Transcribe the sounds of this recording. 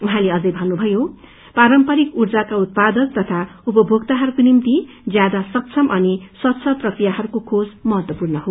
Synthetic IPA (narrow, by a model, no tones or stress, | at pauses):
uɦãleʌd͡zʌjbʱʌnːubʱʌjo | paɾʌmpʌɾikurd͡zakaut̪̚pad̪ʌkt̪ʌt̪ʰaupʌbʱoɡ̚t̪aɦʌɾukonimt̪i | d͡zjad̪asʌkt͡sʰʌmʔʌnisʌt̪ːt͡sʰʌprʌkrijaɦʌɾukokʰod͡zmʌɦʌt̪wʌpurnʌɦo